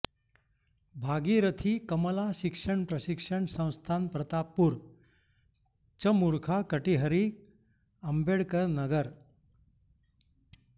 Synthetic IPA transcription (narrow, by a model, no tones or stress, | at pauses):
bʱaɡiɾət̪ʰikəməlaɕikʂəɳpɾəɕikʂəɳsə̃w̃st̪ʰanpɾət̪apuɾ | t͡ɕəmuɾkʰakəʈiɦəɾi | əmbeɽkəɾnəɡəɾ